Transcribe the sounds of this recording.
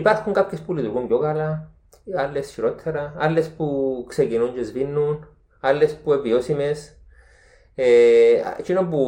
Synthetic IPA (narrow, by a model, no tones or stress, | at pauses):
ipat̪kuŋɡap̚kespulid̪uɡunjoɣala | alesʃiɾot̪ʰːaɾaalespuksekinund͡ʒesβinːun | alespuweβiosimes | ea̰t͡ʃinompu